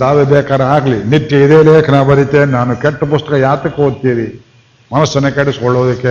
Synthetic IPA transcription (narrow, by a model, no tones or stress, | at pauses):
d̪aːʋebɛːkaːɾɐaːɡlinit̪jɐid̪eːleːkʰɐnaːbɐɾit̪ːenaːnukɛʈːɐpust̪ɐkɐjaːt̪ɐkːeɦod̪̚t̪iːɾi | mɐnɐsːɐnɐkaːʈisɔɭːoːd̪ɐkːe